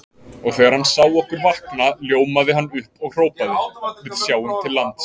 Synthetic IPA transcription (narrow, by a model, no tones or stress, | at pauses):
ɔɣθɛːɣaɾ̥hanːsaːwɔhkʏɾvahknaljoːwmaðɪɦanːʏhpɔɣr̥oːwpaðɪvɪðsjaːwʏmt̪ʰɪlːant̪